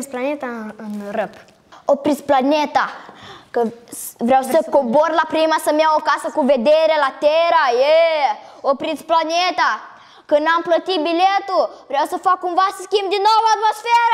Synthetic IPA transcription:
msplanet̪ɐrep | opɾisplanet̪ɐkəvɾɛwsekoboɾlapɾimɐsɐmẽwokasɐkũved̪eɾelat̪eɾɐe | opɾisplanet̪ɐ | kənɐ̃plɐt̪ibilet̪ʊvɾɛwsefakũvasiskimd̪ɪnɔvat̪mosfɛɾɐ

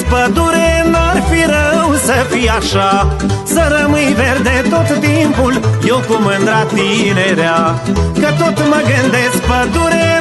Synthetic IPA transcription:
pɐd̪uɾenaɾfiɾɐũsɐfiaːʃasɐɾɐmiiʋeɾd̪ẽt̪ot̪ʰt̪impuljokomɐ̃nd̪ɾaːt̪ineɾjakɐt̪ot̪ʰmɐɡɐnd̪espɐd̪uɾe

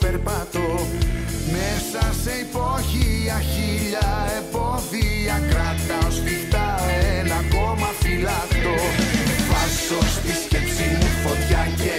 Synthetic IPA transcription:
peɾpɐt̪o | mesɐseipoçiɐçiʎɐepoðiɐkɾɐt̪ɐospift̪ɐenɐkomɐfilɐt̪ovɐsost̪iscepsinufot̪çɐce

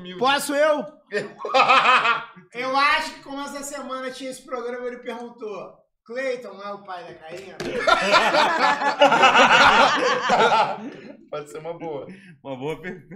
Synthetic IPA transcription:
mipɔsʊew | e | ewaʃʊkɪ̥kõmʊɛsɐsemɐ̃nɐt͡ʃĩɲɐesɪ̥pɾoɡɾɐ̃mɐelɪpehɡũnt̪o | klejt̪õw̃laʊpajd̪akai | pɔd͡ʒɪseɾũmɐboɐũmɐboɐpeɡũ

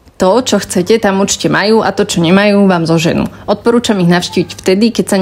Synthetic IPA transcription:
t̪ɔt͡ʃɔxt͡sɛcɛt̪amuɾt͡ʃi̥cɛmajuːʔat̪ɔt͡ʃɔɲɛmajuːʋaːmzɔʒɛnṵ | ɔt̪̚pɔɾuːt͡ʃamiɣnaʊʃciːʋicft̪ɛd̪ikɛcsa

